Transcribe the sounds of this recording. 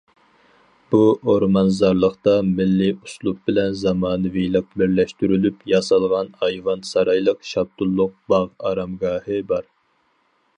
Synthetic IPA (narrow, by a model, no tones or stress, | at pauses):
b̥uoɾmɑnzɑɾlˠəqt̪ɑmɪlːiuslˠup̚bɪlɛnzɑmɑːnɨvilˠəq̚bɪɾlɛʃt̪yɾylypjɑsɑlˠʁɑnɑjvɑnsɑɾɑjlˠəqʃɑb̚t̪ʰulˠːʊq̚bɑʁɑ̰ɾɑmɡɑːhɨbɑɾ